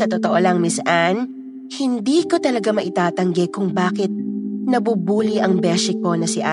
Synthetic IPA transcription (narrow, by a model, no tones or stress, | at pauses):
ɐt̪ot̪oʔolɐŋmɪsʔan | hɪnd̪iːko̞t̪ɐlɐɡamɐʔɪt̪aːt̪ɐŋɡɛkʊŋbaːkɪt̪̚nɐbuːbuːliʔɐŋbɛːʃɪko̞nɐsɪʔa